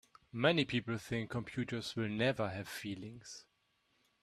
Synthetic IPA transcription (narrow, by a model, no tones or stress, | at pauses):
mɛnipʰipl̩ˠθɪ̃ŋkʰːɔ̃mpʰj̥ʉtə˞zwɪlˠnɛvə˞ɨv̥filɪ̃ŋs